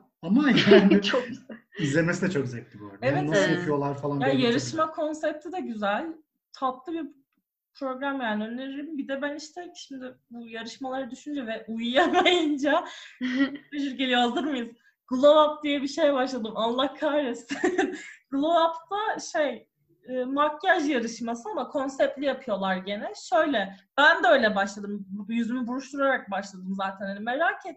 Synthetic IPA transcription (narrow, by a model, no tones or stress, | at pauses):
amajanɪ | izlʲemesid̪ɛt͡ʃʰo̞kzɛt̪̚lʲibo̰ɾd̪evɛtnːasokʰɯjo̞lˠaɾfalˠanjajaɾɯʃmakʰo̞nsɛp̚t̪ʰid̪ɛɟyzælʲ | t̪ʰaplˠɯbiɾ | pʰɾo̞ɡɾamjaːniø̞nːeɾiɾimbid̪ɛbæniʃt̪ʰɛʃimd̪ɪbujaɾɯʃmalˠaɾad̪yʃynd͡ʒɛvɛʔujjamajɯnd͡ʒa | yʒyɾɟe̞lʲijo̞hazɯɾmajɯz | ɡ̥ɯlˠovap̚d̪ijɛbiʃe̞jbaʃlˠad̪ɯmanllːˠakʰːaɾesiɡ̥ɯlˠovapt̪ʰaʃe̞j | ɯːmakjaʒjaɾɯʃmasɯamakʰo̞nsɛp̚t̪lʲijapʰɯjo̞lˠaɾɟe̞nɛʃø̞jlʲɛb̥ænd̪ɛøjlʲɛbaʃlˠad̪ɯmjyzymybuɾuʃt̪ʰuɾaɾak̚baʃlˠad̪ɯmzaːt̪ʰænhanime̞ɾaːcʰet̪